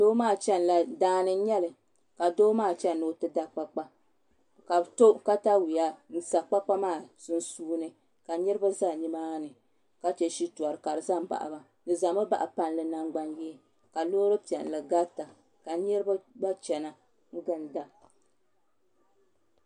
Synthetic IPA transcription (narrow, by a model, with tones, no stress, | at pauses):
doː˦maː˦˨t͡ʃɛ˦nla˨daː˦nɨ˦ɲɛ˦lɨ˨ | ka˨doː˦maː˦˨t͡ʃɛ˦nːo˨tɨ˦da˦k͡pa˦k͡pa˦ | ka˨bto˦ka˦ta˦wi˨ja˦n̩˦sa˨k͡pa˦k͡pa˦maː˦˨sɨ˦n˦suː˦nɨ˦ | ka˨ɲɛ˦ɾɨ˦ba˦za˦˨ɲi˦maː˦nɨ˨ | ka˦t͡ʃɛ˨ʃi˦tu˨a˨ɾɨ˨ka˨ɾɨ˨za˦m˨ba̰˨ʔa̰˨ba˨ | dɨ˨za˨ma˦ba̰˨ʔa˨pa˦nlɨ˨na˦ŋɡ͡ba˦njɛ˦ | ka˨loː˦ɾɨ˦pi˨ɛ̰˨n˨lɨ˨ɡa˦ta˨ | ka˨ɲɛ˦ɾba˦ba˦t͡ʃɛ˨na˨ | ŋ̩˦ɡɨ˦nda˨